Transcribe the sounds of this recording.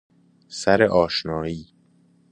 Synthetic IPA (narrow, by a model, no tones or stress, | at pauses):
sæɾeʔɒːʃnɒːiː